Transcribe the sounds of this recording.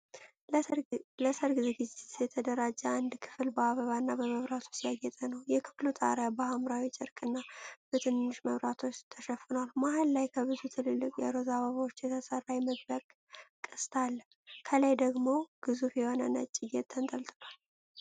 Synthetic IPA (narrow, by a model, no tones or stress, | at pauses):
ləsəɾɡizeɡɨzet̪jɛt̪ʰəd̪əɾad͡ʒːaand̪kʰɨ̥fɨlbəaβəβanːabəməβɾat̪ʰu̥sijajːɛt̪ʼənəwjɛkʰɨ̥flut̪ʼa̰ɾabəhamɾawit͡ʃʼɪɾkʼɨnːab̥ət̪ʰɨnːɨʃməβɾat̪ʰo̞t͡ʃːt̪ʰəʃəfɨnwalmahalːajkʰəβɨzut̪ʰɨlɨlːɨkʼjɛ̰ɾozaβəβawot͡ʃːjɛt̪ʰəsərːajməd̪ləkʼ | kʼːɨst̪ʰal | kʰələjd̪əɡmo̞ɡ̥ɨzufjɛho̞nə̰nə̰t͡ʃʼːɪjɛt̪ʰːənt̪ʼəlt̪ʼnal